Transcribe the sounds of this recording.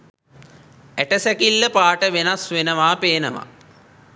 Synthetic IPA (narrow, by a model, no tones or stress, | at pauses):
æʈəsækilːəpaːʈəʋenasʋenəʋaːpeːnəʋa̰